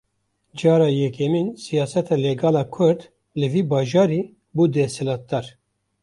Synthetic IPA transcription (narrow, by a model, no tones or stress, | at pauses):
d͡ʒɑːɾɑːjɛkɛminsijɑːsɛt̪ʰɑːlɛɡɑːlɑːkʰʊɾd̪ | lɨviːbɑːʒɑːɾiː | buːd̪ɛsɛlɑːt̪̚d̪ɑɾ